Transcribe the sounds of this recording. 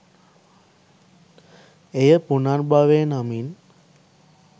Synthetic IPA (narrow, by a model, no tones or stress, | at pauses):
ejəpunarbaʋenamin